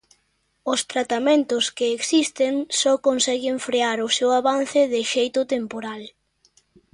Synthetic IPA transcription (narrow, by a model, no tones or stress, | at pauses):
ʊst̪ɾat̪amẽnt̪ʊskeːksist̪eŋsɔkonsɛɣɪɱfɾeaɾʊsewaβan̟θɪðɪʃejt̪ʊt̪empoɾal